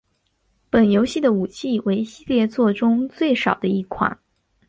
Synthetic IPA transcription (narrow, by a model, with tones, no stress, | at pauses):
pə˨˩njo˧˥ʊɕi˥˩d̪ə˩u˨˩t͡ɕʰi˥˩we˧˥ɪɕi˥˧ljɛ˥˧t͡swɔ˥˩ʈ͡ʂʊ˥ŋt͡swe˥˩ɪʂɑ˨˩ʊd̪ə˦i˥˩kʰwa̰˨˩˦n